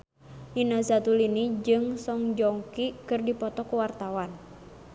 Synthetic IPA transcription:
ʔinazat̪ulinid͡ʒɨŋsɔŋd͡ʒɔŋkikɨrdipɔt̪ɔkuwart̪awan

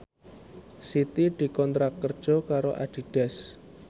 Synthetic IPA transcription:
sit̪id̪̥i̤kɔnt̪ɾakːərd̥ʒ̥ɔ̤kaɾoʔa̰ɖ̥i̤ɖ̥ɛ̤s

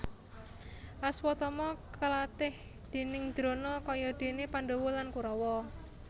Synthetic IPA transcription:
ʔaswɔt̪ɔmɔkəlat̪ɪh | d̪̥e̤nɪŋd̪̥ɾo̤nɔkɔjɔd̪̥e̤nepanɖowɔlankuɾɔwɔ

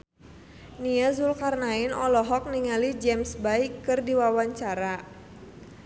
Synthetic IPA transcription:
niazulkarnainɔlɔɦɔk̚niŋalid͡ʒɛmsbaikːɨrdiwawaɲt͡ʃaɾa

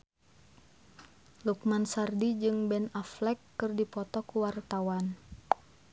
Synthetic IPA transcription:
luk̚mansardid͡ʒɨŋbɛnaflɛkːɨrdipɔt̪ɔkuwart̪awan

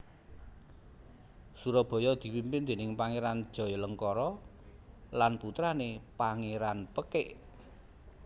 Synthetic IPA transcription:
suɾɔb̥ɔ̤jɔd̪̥i̤pimpɪnd̪̥e̤nɪŋpaŋeɾand̥ʒ̥ɔ̤jɔləŋkɔɾɔ | lanput̪ɾanepaŋeɾanpəkɪʔ

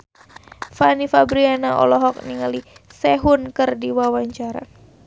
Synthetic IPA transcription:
fanifabɾianaʔɔ̰lɔɦɔk̚niŋalisɛɦʊnkɨrdiwawaɲt͡ʃaɾa̰

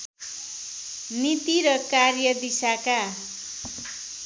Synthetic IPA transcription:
nit̪iɾʌkarjʌd̪isaka

